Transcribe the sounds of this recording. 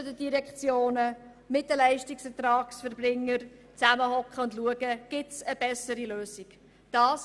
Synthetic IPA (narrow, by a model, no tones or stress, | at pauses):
ʊdədiɾɛkt͡sjoːnə | mɪtːəlɛɪʃtɪksətɾɑːksfəɾbrɪŋːəɾ | t͡sæməhɔkχəʊndluəɡəɡ̥ɪtsəb̥ɛsəɾiløːsik | d̥ɑːs